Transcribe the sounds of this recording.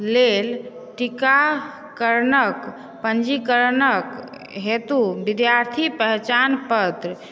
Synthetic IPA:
lel | ʈika | kəɾnək | pənd͡ʒikəɾnək | ɦet̪ubid̪jaɾt̪ʰipəɦt͡ʃanpət̪ɾə

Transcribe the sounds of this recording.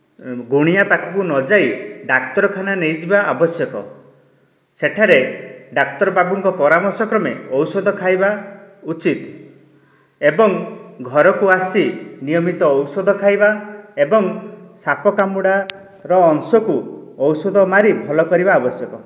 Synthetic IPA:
ɡuɽ̃ijapakʰɔkunɔd͡ʒaiɖakt̪ɔɾɔkʰananejd͡ʒibaʔabɔsjɔkɔ̰ | seʈʰaɾeɖakt̪ɔɾɔbabuŋkɔpɔɾamɔɾsɔkɾɔmeɔwsɔd̪ʱɔkʰajbaut͡ʃit̪ | ebɔŋɡʱɔɾɔkuasinijɔmit̪ɔːwsɔd̪ʱɔkʰajbaebɔŋsapɔkamuɽa | ɾɔːŋsɔkuɔwsɔd̪ʱɔmaɾibʱɔlɔkɔɾibaːbɔsjɔkɔ

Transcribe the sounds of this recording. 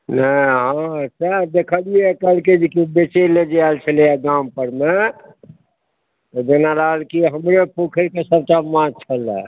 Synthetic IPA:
nəɦãsəɾd̪ekʰəliekəlked͡ʒikibet͡ʃeled͡ʒaalt͡ʃʰəliɛɡampəɾme | t̪ɔd͡ʒenaɾaɦəlkiɦəmɾepokʰəɾkesəb̚ʈamãt͡ʃʰəlɛ̰

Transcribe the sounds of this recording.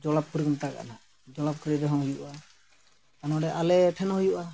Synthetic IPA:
d͡ʒɔlap̚kɾikɔnt̪aka̰ʔna | d͡ʒɔlap̚kɾiɾɔɦɔ̃ŋɦujuʔa | anɔɖɛʔalɛʈʰɛnhujuʔa

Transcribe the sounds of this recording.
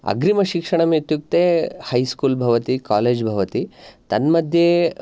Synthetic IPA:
ɐ̰ɡɾimɐʃikʂɐɳɐmet̪juk̚t̪eːhɐjskuːlbʱɐʋɐt̪ikaːleːd͡ʒbʱɐʋɐt̪it̪ɐnmɐd̪ʱje

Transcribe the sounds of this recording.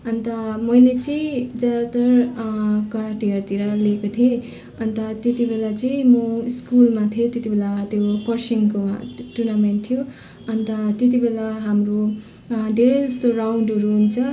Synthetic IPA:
ʌnt̪ʌmʌjlet͡sʌĩd͡zad̪at̪ʌr | kʌɾaʈ̪iʌrt̪iɾʌlekot̪ʰie | ʌnt̪ʌt̪et̪ibelat͡sʌĩmʌiskulmat̪ʰiet̪jet̪ibʱelat̪jokʌrsiŋkoʈurnamenʈt̪ʰijo | ʌnt̪ʌt̪et̪̬ibelaɦamro | d̪ʱeɾesorawɳɖʌɾuɦunt͡sʰʌ

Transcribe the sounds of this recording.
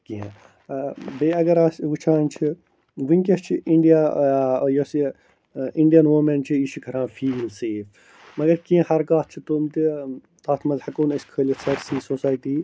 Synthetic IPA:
kĩɦḛ̃ | beɐɡɐɾaːsʋut͡ʃʰãːnt͡ʃʰi | ʋɨnʲkʲɐst͡ʃʰiʔiɳɖijaːjoːsi | ĩɳɖijɐnʋoːmeɳʈt͡ʃʰiiʃikʰɐɾãːfʰiːlseːf | mɐɡɐɾkĩẽhɐɾkaːt̪̚ʰt͡ʃʰit̪omt̪i | t̪aːt̪ʰmɐzhɐkoːnɐskʰəːlʲit͡sʰɐɾsiːsoːsaːjʈiː

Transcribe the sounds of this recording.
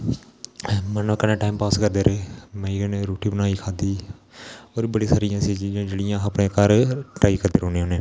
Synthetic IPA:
mənːkənẽːʈaːiːmpaːskəɾd̪eːɾeːmɛ̃ːiːəneɾoːʈiːbənaːiːkʰaːd̪iː | oːɾibəɽiːsaːɾɪjãːsĩːd͡ʒeːɽɪjãːəpɳẽːkəɾʈaːiːkəɾd̪eːɾoːneːɦoːneː

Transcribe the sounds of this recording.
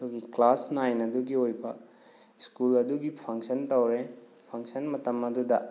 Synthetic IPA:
doɡiklasnajnɐduɡiojbɐ | skulɐduɡipʰɐŋsɐntɐwɾe | pʰɐŋsɐnmɐtɐmɐdudɐ

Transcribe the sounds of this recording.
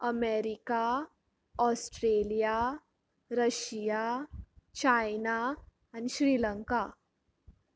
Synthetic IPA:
əmeɾika | ɔsʈɾelija | ɾəɕija | t͡ɕajnaː | niɕɾiːləŋka

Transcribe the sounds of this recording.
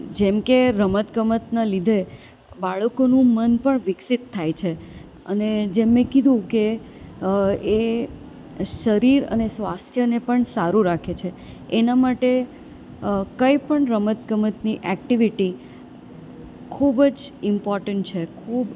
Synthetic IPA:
d͡ʒɛmkeɾəmət̪kəmət̪nalid̪ʱe | baɭəkonũmənpəɳʋɪksit̪ʰːajt͡ʃʰe | ə̰ned͡ʒemːẽkid̪ʱũke | e | ʃəɾiɾə̰nesʋast̪ʰjənepəɳsaɾuɾakʰet͡ʃʰeː | namaʈe | kəipəɳɾəmət̪kəmət̪niʔɛkʈiʋiʈi | kʰubd͡ʒɪmpɔɾʈəɳʈt͡ʃʰekʰuːb

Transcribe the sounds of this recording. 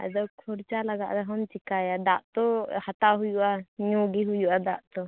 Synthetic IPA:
a̰d̪ɔkʰɔɾt͡ʃalaɡa̰ʔd̪ɛɦɔnt͡ʃikajad̪aʔt̪ɔhat̪aɦujuʔaɲɔɡiɦujuʔad̪aʔt̪ɔ

